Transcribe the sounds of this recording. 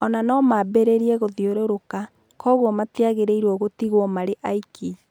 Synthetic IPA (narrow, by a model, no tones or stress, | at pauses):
ɔnanɔmabɛɾeɾiɛɣoðioɾoɾoka | kɔɣwɔmatiaɣeɾeiɾwɔɣotiɣwɔmaɾeʔaikʰi